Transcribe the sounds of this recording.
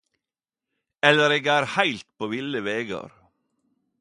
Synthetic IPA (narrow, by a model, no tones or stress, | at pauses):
ɛləɾeːɡæːɾhæɪlt̪̚pʰoːʋɪləʋeːɡɑ̰ɾ